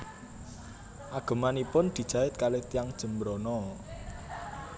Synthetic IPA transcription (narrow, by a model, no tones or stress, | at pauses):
ʔaɡ̥ə̤manipʊnd̪̥i̤d̥ʒ̥a̤ɪt̪̚kalet̪ijaŋd̥ʒ̥ə̤mbɾonɔ